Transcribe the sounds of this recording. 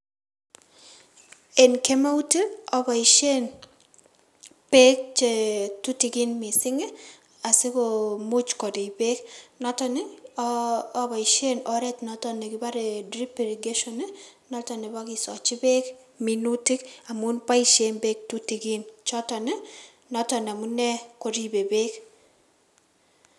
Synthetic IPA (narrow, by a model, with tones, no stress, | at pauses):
e˨nke˦ma˦u˦te˦ɔ˦ba˨i˨ʃe˦n | pe˦k̚t͡ʃe˦˨tu˦ti˨ki˦nmi˨sɪ˦ŋe˦ | a˨sɪ˦ko˨mu˦t͡ʃkɔ˨di˨be˦knɔ˦tɔ˦ne˦ | ba˨i˨ʃe˦nɔ˦ɾɛ˦tnɔ˦tɔ˨ne˨ki˦ba˦ɾe˨dɾi˦pe˨ɾi˨ɡe˦ʃɔ˦ne˦nɔ˦tɔ˨ne˨ba˦ki˨sɔ˨t͡ʃi˦be˦k | mi˨nu˦ti˦ka˨mu˦npa˦iʃe˦mbe˦k̚tu˦ti˨ki˦nt͡ʃɔ˦tɔ˨ne˦ | nɔ˦tɔ˨n˨a˨mu˦nɛ˦ko˨ɾi˦be˨be˦k